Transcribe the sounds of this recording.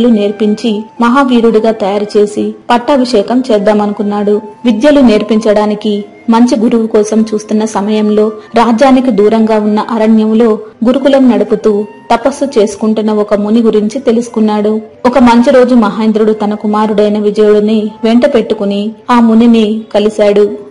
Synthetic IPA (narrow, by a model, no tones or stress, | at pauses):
lune̞ːɾpiɲt͡ʃimɐɦaːʋiːɾuɽiɡaːt̪ɐjaːɾɐt͡ʃe̞ːsipɐʈːɐbʱiʂɛːkɐmt͡ʃɛːd̪ːaːmɐnukunːaːɽuʋid̪jɐlune̞ːɾpiɲt͡ʃɐɽaːniki | mɐɲt͡ʃiɡuɾuʋukɔːsɐmt͡ʃuːst̪unːɐsɐmɐjɐmlo̞ːɾaːd͡ʒaːnikid̪uːɾɐŋɡaːunːɐʔɐɾɐɳjɐmlo̞ːɡuɾukulɐmnɐɽuput̪uːt̪ɐpɐsːut͡ʃe̞ːsu̥kuɳʈunːɐɔkɐmuniɡuɾiɲt͡ʃit̪e̞lusu̥kunːaːɽuɔkɐmɐɲt͡ʃiɾo̞ːd͡ʒumɐɦaːjnd̪ɾuɽut̪ɐnɐkumaːɾuɽɐjnɐʋid͡ʒɐjuɽɐniʋeɳʈɐpe̞ʈːukuniaːmuninikɐlisaːɽu